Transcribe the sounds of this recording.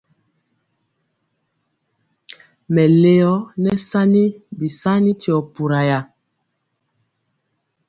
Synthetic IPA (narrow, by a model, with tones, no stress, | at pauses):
mɛ˨le˨ɔ˦nɛ˦sa˦ni˦bi˨sa˦ni˦ti˨ɔ˨pu˨ɾa˨ja˨